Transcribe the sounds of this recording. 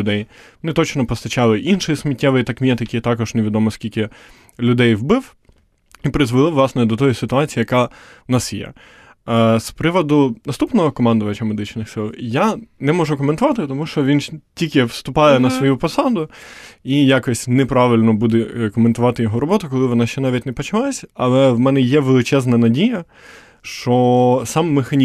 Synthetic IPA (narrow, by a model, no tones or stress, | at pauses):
d̪ɛjmɔnɪt̪ɔt͡ʃnɔpɔst̪ɐt͡ʃɑlˠɪʔinʃɔjismʲitʲːɛʋɪjt̪ɐkmʲijɛt̪ɪkʲit̪ɑkɔʒneʋʲɪd̪ɔmɔskʲilʲkɪ | lʲʊd̪ɛjwbɪw | ipɾɪzʋɪlˠɔʋlˠɑsnɛd̪ɔt̪ɔjisɪt̪ʊɑt͡sʲijːjɐkɑnɑsjɛ̰ | spɾɪʋɔd̪ʊnɐst̪upnɔɦɔkɔmɑnd̪ʊʋɐt͡ʃɐmed̪ɪt͡ʃnɪxsɪlˠjanɛmɔʒʊkɔment̪ʊʋɑt̪ɪt̪ɔmuʃt͡ʃɔʋʲintʲikʲɪʋst̪ʊpɑjɛnɐsʋɔjupɔsɑd̪ʊijakɔsʲnɛpɾɑʋɪlʲnɔbud̪ɛkɔment̪ʊʋɑt̪ɪjɔɦɔɾɔbɔt̪ʊkɔlˠɪʋɔnɑʃt͡ʃɛnɑʋʲitʲnɛpɐt͡ʃɪlˠasʲɐlˠɛwmɛnɛjɛʋelˠɪt͡ʃɛznɐnɐdʲijɐ | ʃt͡ʃɔsɑmːexɐnʲi